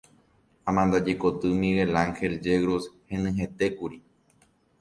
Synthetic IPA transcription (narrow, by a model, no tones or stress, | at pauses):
ãmãnd̪ad͡ʒekot̪ɨmĩɣelaŋxe̞ld͡ʒeɣɾoshẽnɨ̃ɦẽ̞t̪ekuɾi